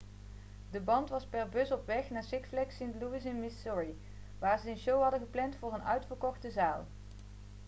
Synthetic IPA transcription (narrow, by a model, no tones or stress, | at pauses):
dəbɑntʋɑspɛɹbɵsɔpʋɛχnaːɹsɪkflɛksɪntluɪsɛnmɪsɔɹi | ʋaːɹzəənʃowɦɑdəχəplɛntfʊːrənœ̰ɥtfəɹkɔχtəzaːlˠ